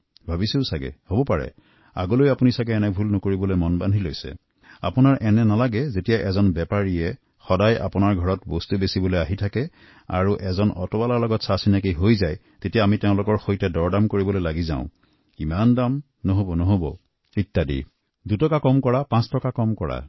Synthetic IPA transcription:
bʱabisusaɡɛ̰hobɔpaɹɛ̰ | a̰ɡolojapunisaɡɛːnɛbʱulnɔkoɹibɔlojmɔnbandʱilojsɛ̰ | a̰punaɹʔɛnɛnalaɡɛzetijaʔɛzɔnbɛpaɹiɛ | xɔdajʔa̰punaɹɡʱɔɹɔtbɔstubesibɔlojaɦitʰakɛ | a̰ɹuʔɛzɔnɔ̰tɔbalaɹlɔɡɔtsasinak̬iɦojzaj | tetijaːmitɛʊ̃lʊkɔɹxojtɛdɔɹdamkoɹibɔlojlaɡizã̰ʊ̃ | imandam | nɔɦobɔnɔɦobɔ̰ | itːadḭ | dutɔkakɔmkɔɹapãstɔkakɔmkɔɹa̰

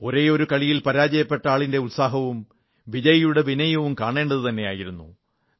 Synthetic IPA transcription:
o̞ɾe̞ːo̞ɾukɐɭijilpɐɾaːd͡ʑɐjɐpːe̞ʈːɐaːɭinde̞ulsaːɦɐʋum | ʋid͡ʑɐjɐjuɽe̞ʋinɐjɐʋumkaːɳe̞ːɳɖɐðɨt̪ɐnːe̞jaːjiɾunːṵ

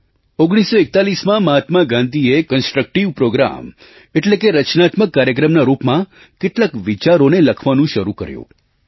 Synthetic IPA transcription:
oɡɽ̃isoek̚t̪alismãmaɦat̪maɡãnd̪ʱiekənsʈɾək̚ʈiʋpɾoɡɾa̰m | eʈlekeɾət͡ʃnat̪məkːaɾjək̬ɾəmnaɾupmã | keʈlakʋit͡ʃaɾoneləkʰʋanũʃəɾukə̰ɾjṵ̃

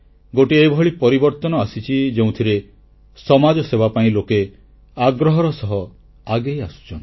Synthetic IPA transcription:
ɡoʈiebʱɔɭipɔɾibɔɾt̪ɔnɔasit͡ʃʰid͡ʒeũt̪ʰiɾe | sɔmad͡ʒɔsebapaĩloke | aɡɾɔɦɔɾɔsɔɦɔ | aɡejasu̥t͡ʃʰɔn

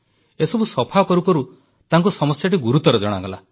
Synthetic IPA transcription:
esɔbusɔpʰakɔɾukɔɾu | t̪aŋkusɔmɔsjaʈiɡuɾut̪ɔɾɔd͡ʒɔɽ̃a̰ɡɔla̰

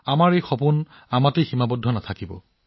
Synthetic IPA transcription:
amaɹejxɔpun | amatejximabɔdʱːɔnatʰakibɔ̰

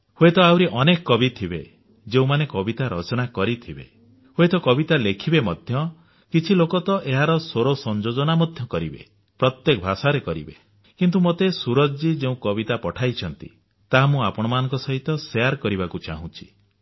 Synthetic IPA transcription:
hoet̪ɔawɾiʔɔnekɔːɔbit̪ʰibḛ | d͡ʒeũmanekɔbit̪aɾɔ̰t͡ʃɔnakɔɾit̪ʰibḛ | hoet̪ɔkɔbit̪alekʰibemɔd̪ʱjɔ | kit͡ʃʰilokɔt̪ɔʔeɦaɾɔsoɾosɔnd͡ʒod͡ʒɔnamɔd̪ʱjɔkɔɾḭbḛ | pɾɔt̪jekɔbʱasaɾekɔɾḭbḛ | kint̪̬umot̪esuɾɔd͡ʒd͡ʒid͡ʒeũkɔbit̪apɔʈʰajt͡ʃʰɔnt̪ḭ | t̪aɦamũapɔɽ̃ɔmanɔ̃ŋkɔsɔɦit̪ɔseaɾkɔɾibakut͡ʃa̰ɦũt͡ʃʰi̥

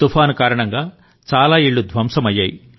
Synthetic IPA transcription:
t̪upʰaːnukaːɾɐɳɐŋɡaː | t͡ʃaːlaːiɭːud̪ʱʋɐmsɐmɐjːaːji

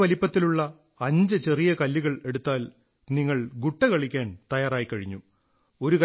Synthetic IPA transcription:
ʋɐlipːɐt̪ːiluɭːɐ | ɐɲd͡ʑɨt͡ɕe̞rijɐkɐlːuɣɐɭe̞ɽut̪ːaːl | niŋːɐɭɡuʈːɐkɐɭikʲːaːnt̪ɐjaːraːjikːɐɻiɲːu | o̞ɾukɐ

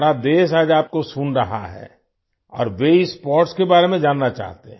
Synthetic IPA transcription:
ɾad̪eːs̬aːd͡ʒaːp̚kosunɾɐɦa̰ɦɛ̰ː | ɔ̰ːɾʋeispɔːɾʈskebaːɾemẽd͡ʒaːnːat͡ʃa̰ːɦt̪eɦ

